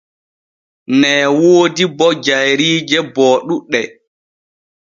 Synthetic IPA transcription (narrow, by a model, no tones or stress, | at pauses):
nɛːwoːdibɔd͡ʒajɾiːd͡ʒɛbɔːɗuɗːɛ